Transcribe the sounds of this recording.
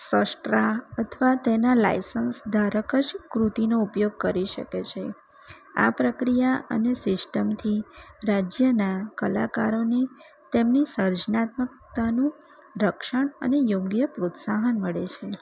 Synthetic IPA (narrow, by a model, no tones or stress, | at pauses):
səsʈɾaət̪ʰəʋat̪enala̰jsənsd̪ʱaɾəkəd͡ʒkɾut̪inoupjoɡ̚kəɾiʃə̰ket͡ʃʰe | a̰pɾəkɾijaʔə̰nesɪsʈəmt̪ʰiɾad͡ʒjənakəla̰kaɾone | t̪emnisəɾd͡ʒnat̪mək̚t̪anũ | ɾəkʃəɳə̰nejoɡjəpɾot̪saɦənməɭet͡ʃʰe